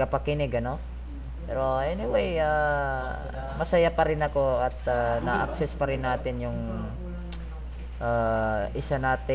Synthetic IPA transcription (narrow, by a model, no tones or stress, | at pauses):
ɐpɐkɪnɪɡɐno̞ | pɛːɾo̞ʔɛnɪwɛja | mɐsɐjapɐɾɪnɐko̞ɐt̪̚anɐʔɐ̰k̚sɛspɐɾɪnːaːt̪ɪnjʊŋ | ʔaʔɪsanaːt̪ɪ